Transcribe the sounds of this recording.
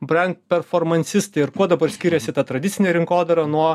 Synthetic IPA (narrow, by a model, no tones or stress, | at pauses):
bɾɐŋk̚pʲɛɾfoːɾmɐnʲsʲɪst̪ɐɪɪɾkuɔd̪ɐbɐɾsʲkʲiːɾʲɛsʲɪt̪ɐt̪ɾɐd̪ʲɪt̪sʲɪnʲeːɾʲɪŋkoːd̪ɐɾɐnuɔ